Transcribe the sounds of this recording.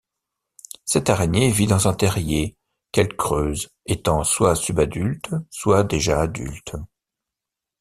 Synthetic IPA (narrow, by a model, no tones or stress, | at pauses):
sɛt̪aʁenjevid̪ɑ̃zɛ̃t̪ɛʁje | kɛlkχøːz | et̪ɑ̃swasybad̪ylt̪swad̪eʒaːd̪y̰lt̪